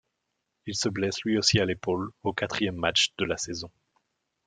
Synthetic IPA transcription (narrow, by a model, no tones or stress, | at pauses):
ilsəblɛslɥiosialepolokat̪χijɛmːat͡ʃd̪̥əlasɛzɔ̃